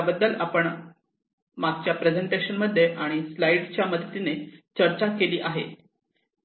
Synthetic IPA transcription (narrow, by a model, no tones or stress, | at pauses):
bəd̪ːəlapəɳ | maɡt͡ɕjapɾed͡zeɳʈeɕənməd̪ʱːjeʔaɽ̃islaiɖt͡ɕjaməd̪ʱət̪inet͡ɕəɾt͡ɕakeliːʔaɦḛ